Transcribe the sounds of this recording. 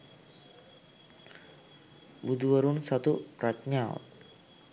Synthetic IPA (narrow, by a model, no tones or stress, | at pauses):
bud̪uəɾunsat̪upɾat͡ʃɲaw